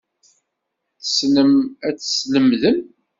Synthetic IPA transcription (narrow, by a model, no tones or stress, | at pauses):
θə̥snəmæt͡sːsləmðəm